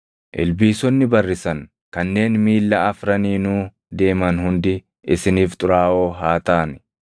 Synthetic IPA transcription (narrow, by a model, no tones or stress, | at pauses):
ʔɪ̰lbiːsɔnːɪbɐrːɪsɐŋ | kɐnːe̞ːnmiːlːɐɐfɾɐniːnuː | d̪e̞ːmɐnhʊnd̪ɪ | ɪsɪniːft̪ʼʊɾaːʔoːɦaːt̪aːnɪ